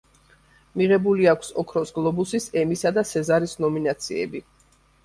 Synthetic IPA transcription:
miʁɛbuliakʷʰsɔkʰɾɔsɡlˠɔbusisɛmisad̪asɛzaɾisnɔminat̪sʰiɛ̰bi

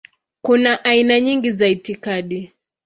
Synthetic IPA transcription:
kunaʔainaɲiŋɡizaitikaɗi

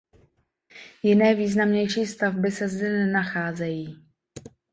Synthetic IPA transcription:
jɪnɛːviːznamɲɛjʃiːst̪avbɪsɛzdɛnɛnaxaːzɛjiː

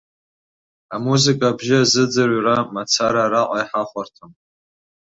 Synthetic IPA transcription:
amuzikʼaːbʒɪazɨd͡zɨrʷramat͡sʰaɾaɾaqʷʼajħaχʷʼartʰom

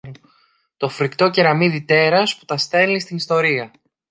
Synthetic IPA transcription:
t̪o̞fɾikt̪o̞ceɾɐmiðit̪e̞ɾɐsput̪ɐst̪e̞list̪inist̪o̞ɾiɐ

